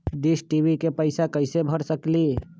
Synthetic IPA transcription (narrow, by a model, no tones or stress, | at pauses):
ɖisʈibikepəɪsakəɪsebʱəɾsəkli